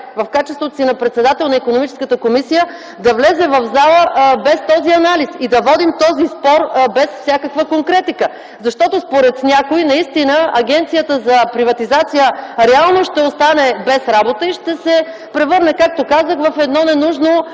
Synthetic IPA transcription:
vɐfkat͡ʃɛst̪vot̪osinɐpɾɛt̪sɛd̪at̪ɛlˠnɐikonomit͡ʃɛ̥skət̪əkomisijə | d̪ɐvlɛzɛvɐvzalˠəbɛst̪ɔziɐnalisid̪ɐvɔd̪imt̪ɔzispɔɾbɛsfsʲjakəkvəkoŋkɾɛt̪ikə | zɐʃt̪ɔt̪ospoɾɛt̪nʲakoinɐist̪inəɐɡɛnt̪sijət̪əzɐpɾivɐt̪izat̪sijəɾɛalˠnoʃt̪ɛost̪anɛbɛsɾabot̪əiʃt̪ɛsɛ | pɾɛvɤɾnɛkak̚t̪okazəxvəfɛd̪nɔnɛnuʒno

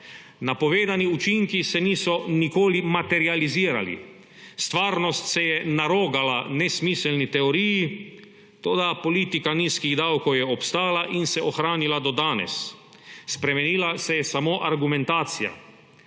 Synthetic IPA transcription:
napɔʋeːd̪aniut͡ʃiŋkisɛniːsɔnikoːlimat̪ɛɾializiːɾa̰lḭ | st̪ʋaːɾnɔst̪sɛjɛnaɾoːɡalanɛsmisɛlnit̪ɛoɾiːji | t̪oːd̪apɔliːt̪ikaniːskiɣd̪awkɔwjɛɔpst̪aːlaʔinsɛɔxɾaːnilad̪ɔd̪aːnɛ̰sː | pɾɛmɛniːlasɛjɛsamoːʔaɾɡumɛnt̪aːt̪sija̰

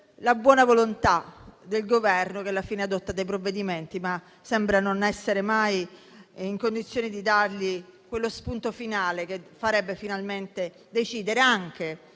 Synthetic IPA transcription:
labwɔːnavolont̪ad̪elɡovɛrnok̟ɛlːafiːnead̪ɔt̪ːad̪ejp̬ɾovːed̪iment̪ima | sɛmbɾanonɛsːeɾemaj | iŋkond̪it̪sːjoːnid̪id̪arʎikwelːospunt̪ofinaːlek̟efaɾɛbːefinalment̪e | d̪et͡ʃiːd̪eɾeaŋk̟e

